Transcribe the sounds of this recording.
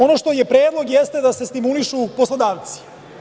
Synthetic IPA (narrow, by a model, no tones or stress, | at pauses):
o̞noʃt̪o̞jepɾeːd̪lˠoɡjɛst̪e̞d̪asest̪imuliʃuposlˠod̪aːʋt̪si̥